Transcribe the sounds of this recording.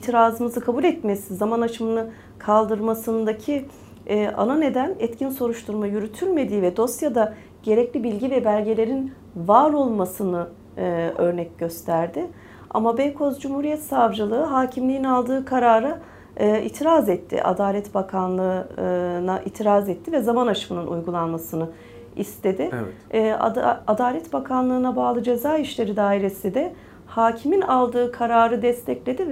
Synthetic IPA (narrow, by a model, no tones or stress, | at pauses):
it̪ʰiɾaːzɯmɯzɯkʰabulʲɛt̪mesizamanat͡ʃʰɯmɯnɯ | kʰalˠd̪ɯɾmasɯnd̪acʰi | a̰nane̞d̪ænɛt̪cʰinso̞ɾuʃt̪ʰuɾmajyɾyt̪ʰylʲme̞d̪iːvɛd̪o̞sjad̪a | ɟ̥e̞ɾɛclʲibilʲɟivɛbælʲɟe̞lʲe̞ɾin | vaːɾo̞lˠmasɯnɯ | ø̞ɾnɛcɟø̞st̪ʰæɾd̪ɪ | a̰mabɛjkʰo̞zd͡ʒumhuːɾijɛt̪savd͡ʒɯlˠɯɯɦaːcʰimlʲijinalˠd̪ɯːkʰaɾaːɾa | ḭt̪ʰiɾaːzɛt̪ʰːɪ̰ʔa̰d̪aːlʲɛt̪bakʰanlˠɯ | naʔḭt̪ʰiɾaːzɛt̪ʰːivɛzamanaʃɯmɯnɯnʔṵjɡulˠanmasɯnɯ | ist̪ʰe̞d̪ɪɛ | ad̪aːlʲɛt̪bakʰanlˠɯːnabaːlˠɯd͡ʒe̞zaːiʃlʲe̞ɾid̪aːiɾe̞sid̪ɛ | haːcʰiminalˠd̪ɯːkʰaɾaːɾɯd̪ɛst̪ʰɛclʲe̞d̪iv